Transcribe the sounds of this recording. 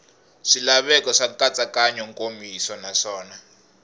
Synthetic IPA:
ʂilaβɛkɔʂakat͡sʼakaɲɔŋkʼomisɔnaʂɔːna

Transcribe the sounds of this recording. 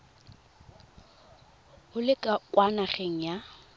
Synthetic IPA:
hʊlɪkʼakʼwanaχeŋ̩ja

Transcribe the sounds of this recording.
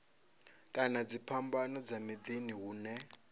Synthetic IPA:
kʼanad͡zipʰambanɔd͡zamid̪iniɦuːnɛ

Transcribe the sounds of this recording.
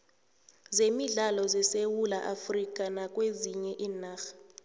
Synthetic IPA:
zemiɮalɔzɛsewulaʔafrik̬ʼanak̬ʼweziɲɛʔiːnaːx

